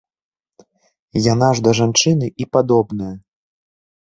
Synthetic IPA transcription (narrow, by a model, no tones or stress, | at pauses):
jan̪aʐd̪ɐʐant͡ʂɨnɨʔipad̪ɔbnɐjɐ